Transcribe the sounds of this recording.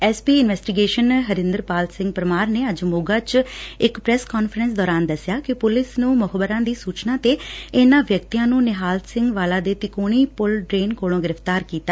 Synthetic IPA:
ɛːspiːɪnʋɛːsʈɪɡeːʃənɦəɾɪ̃nd̪əɾpaːlsɪ̃ŋɡpəɾəmaːɾneːəd͡ʒmʊɡaːt͡ʃɪkpɾɛːskɔːnfəɾɛnsd̪ɔːɾaːnd̪əsːɪjaːkɪpʊlɪsnũːmʊɦəbəɾãːd̪iːsuːt͡ʃnãːt̪eːɪnãːʋjəkt̪ijãːnũːnɪɦaːlsɪ̃ŋɡʋaːlaːd̪eːt̪ɪkoːɽ̃iːpʊlʈɾeːnkoːlõːɡɪɾəfʰt̪aːɾkiːt̪aː

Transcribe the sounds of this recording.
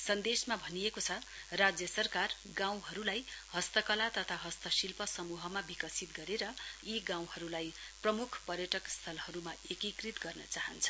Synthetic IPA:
sʌnd̪esmabʱʌnijekot͡sʰʌ | rad͡zjʌsʌrkar | ɡãw̃ɦʌɾulajhʌst̪ʌkʌlat̪ʌt̪ʰaɦʌst̪ʌsilpʌsʌmuɦʌmabikʌsit̪ɡʌɾeɾʌiɡãw̃ɦʌɾulaj | prʌmukʰpʌrjʌʈʌkst̪ʰʌlhʌɾumaekikrit̪ɡʌrnʌt͡saɦʌnt͡sʰʌ̥

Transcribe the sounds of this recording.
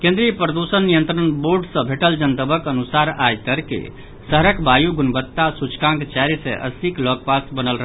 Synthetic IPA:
kẽnd̪ɾiəpɾəd̪usənːijə̃nt̪ɾənboɾɖsə̃bʱeʈəld͡ʒənt̪əbəkənusaɾajt̪əɾkḛ | səɦɾəkbajuɡunbət̪ːasut͡ʃkãŋkt͡ʃaɾisḛ̃ʔə̰siklɔk̚pasbənəlɾəɦ

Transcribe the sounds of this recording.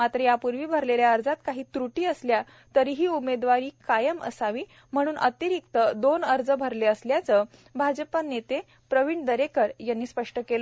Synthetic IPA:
mat̪ɾəjapuɾʋiːbʱəɾleljaəɾd͡zat̪kaɦiːt̪ɾuʈiːəslja | t̪əɾiːɦiːumed̪ʋaɾiːkajəmə̰saʋiː | m̤əɽ̃uːnʔə̰t̪iɾik̚t̪əd̪onəɾd͡zəbʱəɾleəsljat͡səbʱad͡zəpanet̪e | pɾəʋiɳd̪əɾekəɾjanːiːspəʂʈəkelə

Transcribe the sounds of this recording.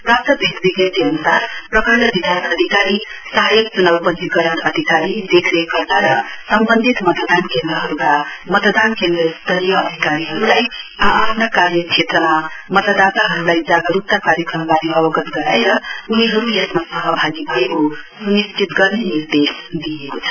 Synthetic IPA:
pɾap̚t̪ʌbʱet̪biɡet̪eənusaɾpɾʌkəɾʌb̪id̪ʱant̪ʌd̪ʱikaɾi | sʌɦajʌk̚t͡ʃunawpʌnt̪ikʌɾəɽʌd̪ʱikaɾid̪ekʰɾekʌɾd̪aɾʌsʌmbənd̪ʱit̪mʌt̪əd̪ankẽnd̪ɾʌɦʌɾukamʌt̪d̪ankend̪ɾʌst̪ʌɾijʌːd̪ʱikaɾiɦʌɾulajaːpʰnakaɾjʌkt͡ʃʰet̪ɾʌmamʌt̪əd̪at̪aɦʌɾulajd͡zaɡəɾup̚t̪akaɾjʌkɾʌmbad̪iʌbʌɡʌt̪ɡʌɾajɾʌuniɦʌɾuesmasʌɦʌbʱaɡibʱʌekosunist͡ʃit̪ɡʌɾneniɾd̪esd̪iekot͡sʰʌ̥

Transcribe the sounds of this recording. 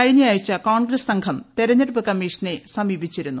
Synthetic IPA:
ɐɻinijaːjit͡ɕːɐkaːɳɡɾɐssɐŋɡʰʱɐmt̪eɾɐɲɐɾubɐkɐmiːʂɐnesɐmiːbʱit͡ɕːiɾunːu

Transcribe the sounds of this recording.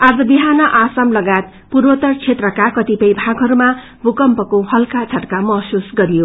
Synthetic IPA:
ad͡zʌbiɦanʌʔasamlʌɡat̪̚ | purwʌt̪ʌrt͡sʰet̪rʌkakʌt̪ipʌjbʱaɡɦʌɾuma | bʱukʌmpʌkohʌlkat͡sʰʌʈkamʌɦsusɡʌɾijo

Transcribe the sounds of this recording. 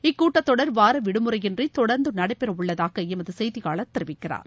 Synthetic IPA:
ɪkːuːʈːɐt̪ːɔɽɐɾʋaːɾɐʋɪɽɯmɯɾɐjɪndrit̪ɔɽɐɾnd̪ɯnɐɽɐɪpːɛɾɐʊɭːɐðaːɣɐɛmɐðɯsɛjðɪɣaːɭɐt̪ːɪɾɯʋɪkːɪra̰ːɾ

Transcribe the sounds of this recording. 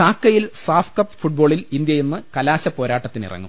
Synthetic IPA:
aːkːɐjilsaːfkɐpːfuʈ̚bo̞ːɭilind̪jɐjenːɨkɐlaːɕɐpːo̞ːɾaːʈːɐt̪ːinḭrɐ̰ŋːṵ

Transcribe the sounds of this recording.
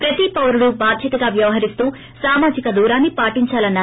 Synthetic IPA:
pɾɐt̪ipɐwɾuɽubʱaːd̪ʱjɐt̪ɐɡaːʋjɐʋɐɦɐɾist̪uː | saːmaːd͡ʒikɐd̪uːɾaːnːipaːʈiɲt͡ʃaːlɐnːaː

